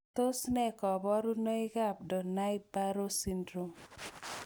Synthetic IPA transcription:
to˦snɛ˦˨kɔ˨bɔ˦ɾu˦nɔ˦i˦ɡa˦˨p̚dɔ˨na˦i˦ba˦ɾo˦si˦ndɾo˦m

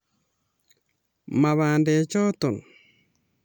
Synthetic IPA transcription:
ma˨βaː˨ndɛ˨t͡ʃɔ˦to˨n

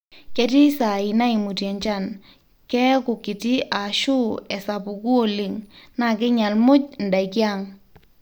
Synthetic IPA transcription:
kɛ˦ti˦sa˨i˨na˦i˨mu˨tɛ˨ɲt͡ʃa˦˨n | kɛ˦kʊ˨kɪ˨ti˦ʔa˨ʃu˦ɛ˨sa˨pu˨ku˦o˨li˨ŋna˨kɪ˦ɲa˨lmʊ˦cnda˨jkja˦˨ŋ

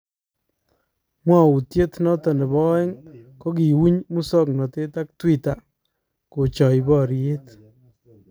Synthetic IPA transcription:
mwa˦˨u˨tje˦tnɔ˦tɔ˨nɪ˨bɔ˦ɛ˦ŋko˦k̬i˨wu˦ɲmu˦sɔ˦k̚nɔ˨te˦ta˦k̚twi˦ta˨ | ko˨t͡ʃɔ˨jbɔ˦ɾje˦t

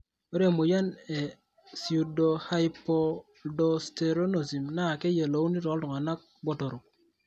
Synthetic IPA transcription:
o˦ɾe˦˨mo˨ja˦ne˨ | si˨u˨do˨ha˦jpo˦ | do˦ste˨ɾo˦no˨si˨mna˦˨ke˦je˨lo˨u˦ni˦ɾɔ˨˦dɔ˨ŋa˨na˦k̚bo˨to˨ɾu˨k̚

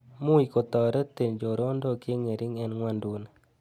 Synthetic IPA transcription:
mu˦i˨ko˨t̪ɔ˨ɾɛ˦t̪e˨nd͡ʒo˨ɾo˦ndo˦ke˦ŋe˨ɾʔɪ˦ŋɛ˦nŋwa˦ndu˦n˨

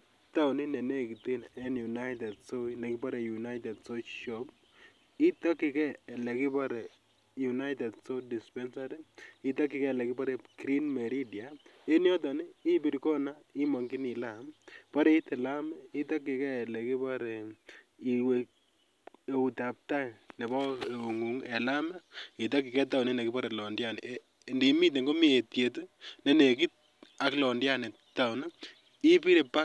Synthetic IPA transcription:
ta˦wni˦nɛ˨ne˦˨ki˨te˦nɛ˦nju˨na˦ɪtɛ˨dso˦ilɛ˨kɪ˦pa˦ɾɛ˨ju˨na˦ɪtɛ˨dso˦ʃɔ˦p | i˦tɔ˦kːɪ˨kɛː˦˨lɛ˨kɪ˦pa˦ɾɛ˨ | ju˨na˦ɪtɛ˨dso˦di˨spɛ˦nsaɾi˦i˦tɔ˦kːɪ˨kɛ˦˨lɛ˨kɪ˦pa˦ɾɛkɾi˦nme˨ɾidja˨ | e˦njɔ˦t̬ɔ˨ni˦i˦bi˨ɾkɔ˦na˦i˦mɔ˨ŋki˦ni˨lampɔ˦ɾe˦i˦tɛ˨la˦mɛ˦i˦tɔ˦kːi˨kɛ˦˨lɛ˨ki˦pa˦ɾe˨ | i˨we˨ | e˨u˨ta˨p̚ta˦ine˨bɔ˦˨o˨ŋu˨ŋɛ˨la˦mɛ˦ki˨tɔ˦kːi˨kɛ˦ta˦˨wne˦ne˨ki˦pɔ˦ɾe˨lɔ˨ndja˦nɛ˨ | nde˨˦mi˦t̬e˨ŋɡo˦mi˦e˨tje˨t̬u˦ne˦ne˨k̬i˦t̚ | a˨klɔ˨ndja˦ne˨ | ta˨wna˦ | i˦pi˦ɾe˨pa˦

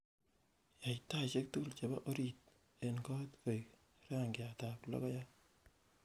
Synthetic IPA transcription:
ja˨ita˦t͡ʃe˦k̚tu˦˨lt͡ʃe˨ba˦ʔo˦ɾi˨t̚ | e˨nkɔ˦tkʰo˨j | ɾa˦ŋɡɪa˨ta˨plɔ̰˦kɔ˦ja˦

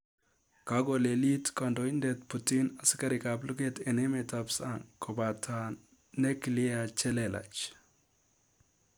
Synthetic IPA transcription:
ka˦ɡo˨le˨li˦tkɔ˨ndo˨i˦ndɛ˨tpu˨ti˦na˨sɪ̥˦ka˦ɾɪ˨ka˨blu˦ɡe˦te˨ne˦me˨tapsaŋkʰo˨ba˨tʰa˨ | ne˦kli˦a˨t͡ʃɛ˦lɛ˨la̰˨t͡ʃ

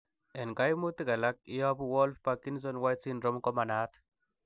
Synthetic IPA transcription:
ɛ˨nka˦jmu˦t̪i˦ka˨la˦k̚ɪ˦jɔ˦buwɔ˦lfpaki˦ns̬ɔ˦nwa˦jsi˦nɾɔ˦mkɔ˦ma˨na˦t̪

